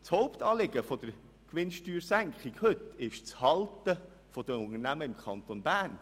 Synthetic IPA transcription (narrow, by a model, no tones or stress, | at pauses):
t͡showpt̪ɑːleɡəfɔd̥̪əɾ | kʋɪnʃtyːɾsæŋkχiɡhɵt̪ɪʃt͡shɑlt̪ə | fɔd̥̪əʊnərnæməɪmkʰɑnt̪onbæːɾn